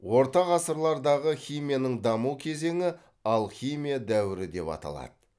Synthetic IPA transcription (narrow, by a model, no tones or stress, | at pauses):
wo̞ɾt̪ɑʁɑsəɾlˠɑɾd̪ɑʁəχʲijmʲijanəɴd̪ɑmukʲʰe̞ze̞ŋɪ | ɑlˠχʲijmijad̪æwɪɾɪd̪e̞pɑ̰t̪ɑ̰lˠɑ̰d̪ə